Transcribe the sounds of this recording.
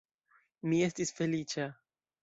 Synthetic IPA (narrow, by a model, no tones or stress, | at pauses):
miest̪isfelit͡ʃa